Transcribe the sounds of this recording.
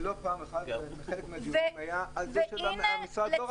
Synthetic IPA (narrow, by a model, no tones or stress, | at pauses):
lopaːmeχad̪meχelekmeadimajaalzeʃeɡamaamisʁao